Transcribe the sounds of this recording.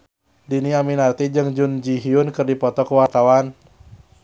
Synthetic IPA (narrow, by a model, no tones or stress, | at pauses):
diniaminart̪id͡ʒɨŋd͡ʒʊnd͡ʒiɦiʊnkɨrdipɔt̪ɔkəwart̪awan